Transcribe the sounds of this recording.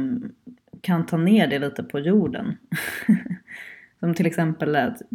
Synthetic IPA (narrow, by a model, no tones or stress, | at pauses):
kʰant̪ʰɑːneːɖɛliːt̪əpʰɔjuːɖə̰n | sɔmt̪ʰɪlɛksɛmpəlt̪